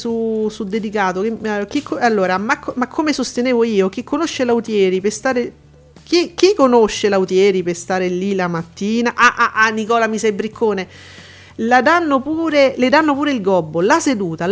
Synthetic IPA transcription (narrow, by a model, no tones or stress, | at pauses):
susud̪ːed̪ikaːt̪okekikʰːalːoːɾamakːmakʰːomesost̪eneːvoiːok̟ikʰːonoʃːelaut̪jɛːɾipest̪aːɾe | k̟ik̟ːikːonoʃːelaut̪jɛːɾipest̪aːɾelilamat̪ːiːnaʔaʔaʔanːikɔːlamisebɾikʰːoːne | lad̪anːopuːɾeled̪anːopuːɾeilɡɔbːolased̪uːt̪a